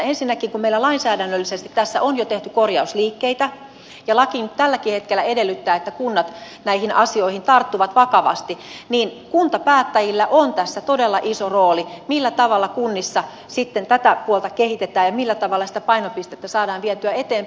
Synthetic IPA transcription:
ensinːækiŋkummeilːælɑinsæːdænːølːisest̪i̥t̪t̪æsːæ̰ʔonjot̪eht̪ykorjɑusliːkːeit̪æ | jɑlɑkint̪ælːækihet̪kelːˑæedelːyt̪ːæːet̪ːækunːɑt̪ | næihinɑ̰sioihint̪ɑrt̪ːuʋɑt̪ʋɑkɑʋɑ̰st̪iniːnkunt̪ɑpæːt̪ːæjilːæʔont̪æsːæt̪odelːɑʔisoroːlimilːæt̪ɑʋɑlːɑkunːisːɑ | sit̪ːent̪æt̪æpuolt̪ɑkehit̪et̪æːjɑmilːæt̪ɑʋɑlːˑɑsi̥t̪æpɑinopist̪et̪ːæsɑːdɑːnʋiɛt̪yæet̪eːm

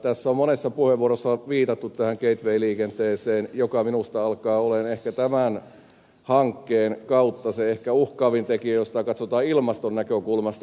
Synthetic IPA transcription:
t̪æsːæommonesːɑpuheʋʋuorosːɑʋiːt̪ɑt̪ːut̪t̪æhæŋkeit̪ʋeiliːkent̪eːseːnjokɑminust̪ɑɑlkɑːolenehkæt̪æmæn | hɑŋkːeːnkɑut̪ːɑseehkæuhkɑːʋint̪ekiæjost̪ɑkɑt̪sot̪ɑːilmɑst̪onnækøkulmɑst̪

